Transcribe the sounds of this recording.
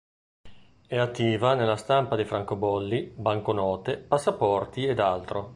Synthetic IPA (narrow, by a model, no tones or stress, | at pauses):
ɛat̪ːiːvanelːast̪ampad̪ejfɾaŋkobɔlːibaŋkonɔːt̪epasːapɔrt̪ied̪alt̪ɾo